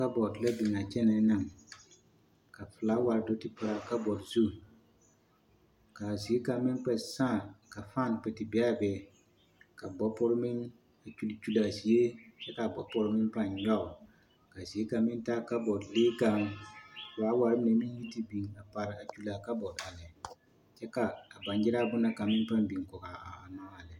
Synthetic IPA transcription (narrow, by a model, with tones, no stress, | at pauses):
ka˦bɔ˨dla˦bɪ˨ŋa˨t͡ʃɛ˦nɛ˨˦na˨ŋ | ka˨fɨ˨la˨˦wa˨ɾdo˦tɪ˨pɨ˨ɾa˨ka˦bɔ˨dzu˦˨ | ka˨zi˨e˦ka˨mɪ˦nk͡pɛ˨sãː˦˨ka˨fa˦˨npɛ˨tɪ˨bɛ˦a˦bɛ˨ | ka˨bɔ˦pɔ˦ɾmɪ˦n | a˨t͡ʃu˦lt͡ʃu˦la˨zi˨e˦t͡ʃɛ˦ka˨bɔ˨pɔ˦ɾmɪ˦npa˦ɲ˨ja˦˨ʊ˨ | ka˨si˨e˦ka˨mɪ˦n˦ta˦ka˦bɔ˨dleː˦ka˦ŋ˨ | a˨˦wa˨ɾɪ˦m˨ne˨mi˦ji˦ti˦bi˨ŋa˨pa˨ɾɪ˨a˨t͡ʃu˦la˨ka˦bɔ˨da˨lɪ˨ | t͡ʃɛ˦kaː˨ba˨nd͡ʒɪ˦ɾa˦bʊ˦na˦ka˨mɪ˦npa˦mbi˨ŋ˨kʊ˨ɣa˨aː˨ma˦a˨lɪ˨